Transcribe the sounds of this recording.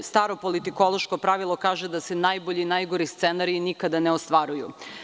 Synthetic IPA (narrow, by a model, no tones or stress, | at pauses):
st̪aːɾopolit̪iko̞lˠo̞ʃko̞pɾaʋilˠo̞kaːʒed̪ase̞najboʎinajɡoɾist̪senaɾinikad̪aneost̪ʋaɾujṵ